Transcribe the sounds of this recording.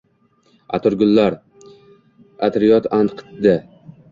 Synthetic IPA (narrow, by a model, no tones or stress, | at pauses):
a̰t̪ʰʊɾɡʲʊlːaɾ | at̪ɾijɒt̪ʰant̪qʰɨ̥t̪̚d̪a